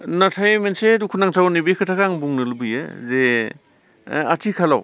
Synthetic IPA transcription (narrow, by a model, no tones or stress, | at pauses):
natʰajmensedukʰunaŋtʰawnibekʰɯtʰakaŋbuŋnɯlbɯj̰ze | a̰tʰikʰalaw